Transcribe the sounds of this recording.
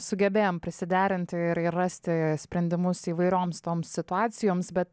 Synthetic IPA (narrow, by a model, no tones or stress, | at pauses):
sʊɡʲɛbʲeːjoːmpʲɾʲɪsʲɪd̪ʲæːɾʲɪnʲt̪ʲɪɪɾɪrːɑsʲt̪ʲɪsʲpʲɾʲɛnʲd̪ʲɪmʊsiːʋɐɪɾʲoːmst̪oːmsːʲɪt̪ʊɑːt̪sʲɪjoːmsbʲɛt̪